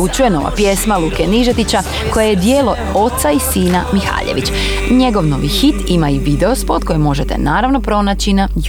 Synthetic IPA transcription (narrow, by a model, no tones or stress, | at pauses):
ut͡ɕuje̞no̞ʋa̰pje̞smalukeniʒet̪it͡ɕa | ko̞jejed̪jeːlo̞ | o̞t̪saisiːnamixa̰ːʎḛʋḭt͡ɕ | ɲe̞ɡo̞ʋno̞ʋixit̪imaiʋid̪eo̞spo̞t̪ko̞jimo̞ʒet̪e̞̰naːɾaʋno̞pɾo̞naːt͡ɕinaj